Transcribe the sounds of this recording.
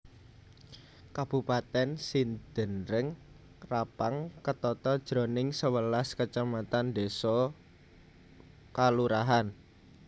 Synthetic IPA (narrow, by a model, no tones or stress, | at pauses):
kab̥ṳpat̪ɛnsind̪̥ənɾəŋ | rapaŋkət̪ɔt̪ɔd̥ʒ̥ɾo̤nɪŋsəwəlaskət͡ʃamat̪and̪esɔ | kaluɾaɦan